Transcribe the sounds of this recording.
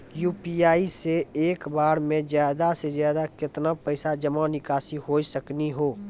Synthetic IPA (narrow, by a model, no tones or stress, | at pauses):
juːpiaːiseeːkbaːɾmẽzjaːd̪asezjaːd̪akɪt̪napəɪsad͡ʒəmanɪkaːsiɦoːisəkniɦoː